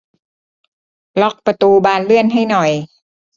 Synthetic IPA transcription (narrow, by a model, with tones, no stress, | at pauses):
lɔ˦˥k̚pa˧t̪uː˧baː˧nlɯ˥˩ənɦa˥˩jnɔ˨˩j